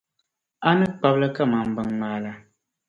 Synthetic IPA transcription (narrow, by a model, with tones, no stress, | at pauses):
a˦nɨ˦k͡pa˦blə˦ka˦˨ma˨m̩˨bɨ˨ŋmaː˨la˦